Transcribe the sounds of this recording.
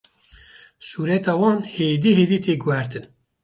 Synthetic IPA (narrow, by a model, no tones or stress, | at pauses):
suːɾɛt̪ɑːwɑːnheːd̪iːheːd̪iːt̪ʰeːɡuwæɾt̪ɨn